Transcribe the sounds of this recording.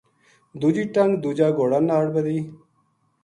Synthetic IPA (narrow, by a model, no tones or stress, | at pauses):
d̪ud͡ʒiːʈəŋɡd̪uːd͡ʒaːɡoːɽaːnaːɽbəd̪iː